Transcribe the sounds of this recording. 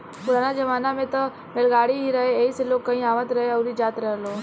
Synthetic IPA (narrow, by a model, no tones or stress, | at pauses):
pʊɽ̤aːnad͡ʒɐʋaːnamẽt̪ɐ | melɡaːɽiɦiɾɐɦeeiseloːkkːɐɦĩaːʋət̪ɾɐɦeɔːɾid͡ʒaːt̪ɾəɦəloː